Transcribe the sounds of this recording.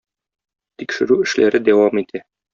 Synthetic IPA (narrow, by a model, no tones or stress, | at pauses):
t̪ikʃɘ̆ɾʉɘ̆ʃlʔæɾɘd̪æwɑmit̪ʰæ